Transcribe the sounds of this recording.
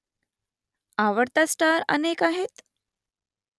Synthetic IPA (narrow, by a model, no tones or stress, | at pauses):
aʋəɾt̪asʈaɾə̰nekaɦet̪